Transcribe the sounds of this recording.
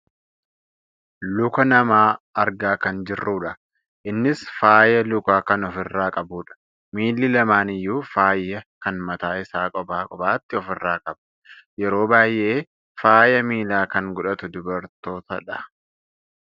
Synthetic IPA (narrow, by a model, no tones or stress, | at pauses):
lʊkɐnɐmaːɐɾɡaːkɐnd͡ʒɪrːuːᶑɐ | ʔɪnːɪsfaːjɐlʊkaːkɐnɔfɪrːaːkʼɐbuːᶑɐ̥ | miːlːɪlɐmaːnɪjːuːfaːjːɐkɐnmɐt̪aːɪsaːkʼɔbaːkʼɔbaːt̪ːɪɔfɪrːaːkʼɐbɐjɛɾo̞ːbaːjːɛʔeː | faːjɐmiːlaːkɐŋɡʊᶑɐt̪ʊd̪ʊbɐɾt̪o̞ːt̪ɐᶑɐ